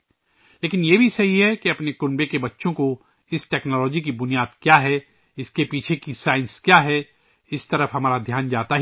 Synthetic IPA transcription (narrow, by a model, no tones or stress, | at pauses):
leːkɪnjebʱisɐɦiɦɛkiɐpnekʊnbekebɐtːʃõko | ɪsʈɛːknɔːlɔːd͡ʒikibʊnijaːd̪kjaːɦɛ | ɪskepiːt͡ʃʰekisaːɪ̃nskjaːɦɛ | ɪst̪ɐɾəfɦɐmaːɾad̪ʱjaːnd͡ʒaːt̪aɦ